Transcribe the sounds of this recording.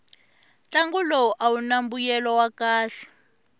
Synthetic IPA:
t͡ɬaŋɡulɔʔawunambujɛlɔwakaːɬɛ̥

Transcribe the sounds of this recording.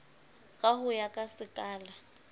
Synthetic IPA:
kʼaɦʊjakʼasɪkʼaːla

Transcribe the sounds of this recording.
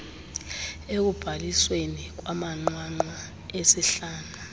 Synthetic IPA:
ek̬ub̥ʱaliswenik̬wamaŋ͡ǃwaŋ͡ǃwa | esɛɬaːna

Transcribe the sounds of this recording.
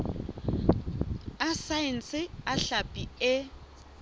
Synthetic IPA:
asaɛn̩sɪaɬapʼiɪ

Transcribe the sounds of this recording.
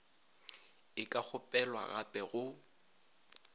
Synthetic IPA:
ɪkʼak͡xʰʊpʼɛlwa̰ɣa̰pʼɛɣʊ

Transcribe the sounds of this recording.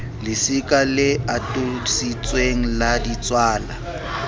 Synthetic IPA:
lɪsɪkʼalɪatʼʊsit͡sʼweŋ̩ladit͡sʼwaːla

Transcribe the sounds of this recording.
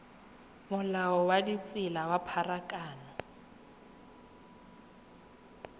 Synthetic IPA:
mʊlaɔwadit͡sʼɪlawapʰarakʼaːnɔ

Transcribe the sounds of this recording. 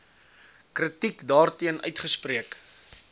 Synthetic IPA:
krətikdɑːrtiənʔœ̰ɥtχəspriək

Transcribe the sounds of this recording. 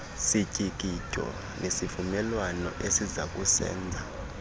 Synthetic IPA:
sicʼikʼitʼɔ̰ | nʔesivumɛlwanɔ̰ʔesizakʼusɛ̰ːnd͡zʱa

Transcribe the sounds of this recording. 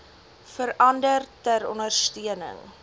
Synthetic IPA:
fəɾʔɐndərtæɾɔnərstiənə̰ŋ

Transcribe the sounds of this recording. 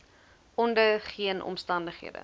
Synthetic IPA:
ɔndəχiənʔɔ̰mstɐndəχɦḭədə̰

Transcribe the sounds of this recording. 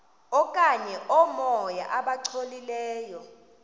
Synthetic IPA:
ɔkʼaɲɛʔɔmɔja̰ʔaɓaǀʰolilɛːjɔ

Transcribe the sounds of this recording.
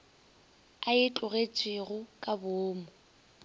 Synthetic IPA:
aɪt͡ɬʼʊɣet͡sʼwɪɣʊkʼabʊːmʊ

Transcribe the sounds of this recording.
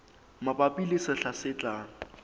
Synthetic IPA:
mapʼapʼilisɪɬasɪt͡ɬʼaːŋ̩

